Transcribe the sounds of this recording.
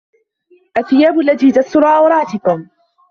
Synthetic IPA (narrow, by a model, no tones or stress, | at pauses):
ʔaθːɪjaːbʊlːaðiːt̪ast̪ʊɾˤaːʔawɾˤɑːt̪ɪkʊm